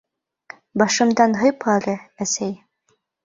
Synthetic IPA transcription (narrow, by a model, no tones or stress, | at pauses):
bɑʃɤ̆md̪ɑnɦɤjpɑlɤæsæj